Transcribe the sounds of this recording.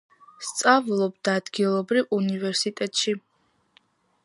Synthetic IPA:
st̪sʼavulˠɔbd̪aːd̪ɡilˠɔbɾivunivɛɾsit̪ʼɛt̪ʼʃi

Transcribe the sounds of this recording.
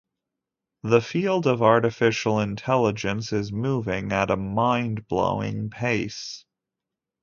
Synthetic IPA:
ðəfilˠdʌvɑɹɾɨfɪʃl̩ˠɨ̃ntʰɛlˠəd͡ʒɨ̃nsɪzmuvɪ̃ŋɨɾəmãɪ̃nblo̰ʊɪ̰̃ŋpʰeɪs

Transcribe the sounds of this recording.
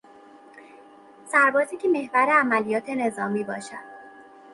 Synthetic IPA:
sæɾbɒːziːcʲʰeme̞hvæɾeæmælijɒːt̪ʰe̞ne̞zɒːmiːbɒːʃæd̪̥̚

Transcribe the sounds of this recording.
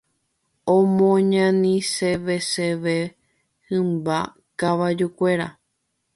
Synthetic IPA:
õmõɲãnĩseʋe̞seʋe | hɨ̃mba | kaʋad͡ʒukʷe̞ɾa̰

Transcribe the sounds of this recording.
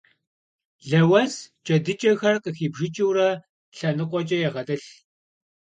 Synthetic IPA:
ɮɐwɐst͡ʃʼɐdɨt͡ʃʼɐxɐrqəxiːbʒɪt͡ʃʼiwrɐ | ɬɐnɨqʷʼɔt͡ʃʼɐjɛʁɐtʼɐɬ

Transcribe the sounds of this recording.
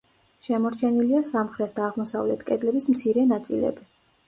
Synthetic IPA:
ʃɛmɔɾt͡ʃʰɛniliasamχɾɛt̪̚ʰd̪aːʁmɔsavlɛt̪ʰkʼɛd̪lɛbismt̪sʰiɾɛnat̪sʼḭlɛ̰bi

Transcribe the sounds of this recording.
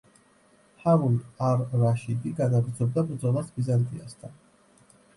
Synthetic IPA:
haɾunaɾːaʃid̪iɡanaɡɾd̪zɔb̚d̪abɾd̪zɔlˠasbizant̪ʼiast̪ʰan

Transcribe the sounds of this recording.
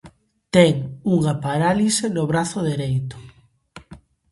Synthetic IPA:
t̪ɛŋuŋapaɾalisenʊβɾaθʊðeɾejt̪ʊ̥

